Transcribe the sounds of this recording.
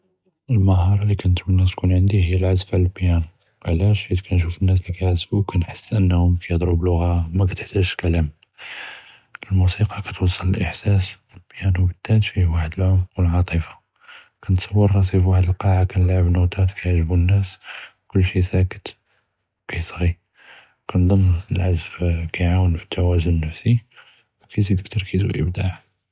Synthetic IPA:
ʔəlməɦɑɾˤɑlikænt̪bənːæst̪kunʕənd̪iɦəjːælʕazfaʕləlbjæn | ʕlæʃid̪kænʃ̬ufənːæs̬likæjʕazfukænħə̥sːʔənːhʊmkʰæjəd̪ˤɾublʊɣamækæt̪əħt̪ːæʃkælæm | əlmusiqɑkæt̪wɑsˤːɑləlʔəħsæs | əlbjænwbət̪ːæt̪fiwaħəd̪əlʕʊmwəlʕɑt̪ˤifɑ̥ | kænət̪sˤɑwːəɾːɑs̬ˤifwaħəd̪əlqɑʕakænlʕəbnut̪ˤɑt̪kæjʒəbunːæs | kʊlːʃisækə̥t̪ | kæjsˤɣi | wkænd̪ˤəmːəlʕazfkæjʕawənfi̥t̪ʰːæwæzʊnːəfsi | wkæjzid̪ək̚t̪ɑɾˤkʰid̪ṵʔə̰bd̪aʕ

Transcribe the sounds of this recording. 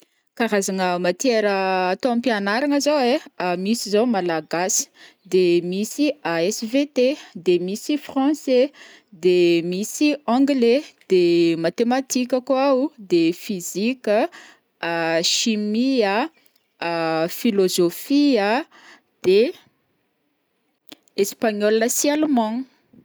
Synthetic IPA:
kaɾazaŋəmat̪eɾəːt̪oãpianaɾaŋəzowemisizowmalaɡasi̥ | d̪emisiaɛsvet̪ed̪emisifχɑ̃se | d̪emisiãŋɡled̪̥emat̪emat̪ikʲəkuaud̪efizikʲə | ʃimia | filozofia | d̪̥e | espaɲɔlːəsjalmɑ̃

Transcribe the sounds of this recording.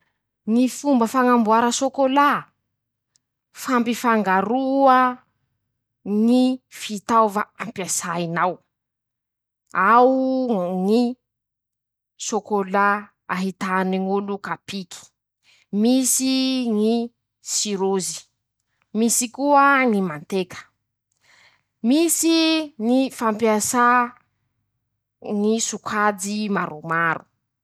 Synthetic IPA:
ŋifumbəfaŋambuaɾəsokola | fampifaŋɡaɾuə | ŋifit̪awvaampjasainaw | awŋi | sokolaː | ɦit̪aniŋulukapikʰi̥ | misiŋi | siɾuzi̥ | misikuəŋimant̪ekʰə̥ | misiŋifampiasa | ŋisukʰad͡zimaɾumaɾṵ

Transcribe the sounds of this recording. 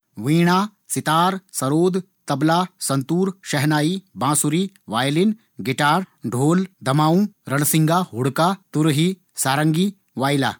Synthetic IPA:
ʋĩːɳ̃aː | sɪt̪aːɾsɐɾoːd̪ | t̪ɐblaːsɐ̃nt̪uːɾʃɐɦnaːibãːsuɾi | ʋaːjlin | ɡɪʈaːɾɖʱoːld̪ɐmaːũɾɐnsɪ̃ŋɡaɦʊɽkat̪ʊɾɦi | saːɾəŋɡi | ʋaːjla̰ː

